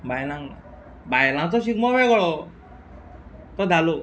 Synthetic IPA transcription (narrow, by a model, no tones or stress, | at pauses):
bajnaŋ | bajlãŋt̪ɔsikmɔbɛɡɔɭɔ | t̪ɔd̪ʱalo